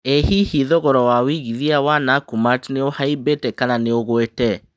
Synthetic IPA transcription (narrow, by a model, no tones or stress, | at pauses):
ehihiðɔɣɔɾɔwawiɣiðiawanakumatneohaibetɛkananeoɣwetɛ